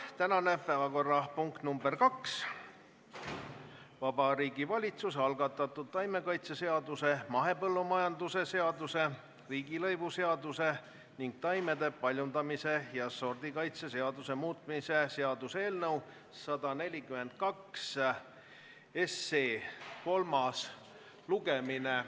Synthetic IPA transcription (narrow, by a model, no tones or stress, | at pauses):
t̪ænɑne̞pæːvɑko̞rːɑpuŋkt̪numberkɑks | vɑbɑɾiːɡivɑlʲit̪susɑlɡɑt̪ːˑɑt̪ˑːud̪̥̚t̪ːɑjme̞kɑjt̪sese̞ɑd̪use̞mɑɦe̞pɤlːumɑjɑnd̪use̞se̞ɑd̪use̞ | riːɡilɤ̞jvuse̞ɑd̪use̞ | niŋɡ̥̚t̪ɑjme̞d̪e̞pɑlʲjund̪ɑmise̞jɑso̞rd̪̥ikɑjt̪sese̞ɑd̪use̞muːt̪ˑmise̞se̞ɑd̪use̞ːlnɤwː | ɑd̪̥ɑne̞lʲikyme̞nd̪̚kɑks | esːeːko̞lmɑs | luɡ̥e̞mine